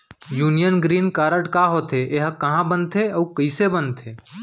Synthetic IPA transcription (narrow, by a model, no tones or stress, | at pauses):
juːnijənɡɾiːnkaːɾəʈkaɦoːt̪ʰeʔeɦkəɦãbənt̪ʰeəːkəɪsebənt̪ʰeː